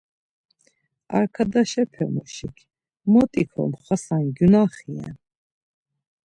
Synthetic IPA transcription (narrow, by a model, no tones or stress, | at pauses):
a̰ɾkʰad̪aʃɛpʰɛmuʃikʰ | mɔt̪ʼikʰɔ̰mχwasanɡunaχiɛ̰n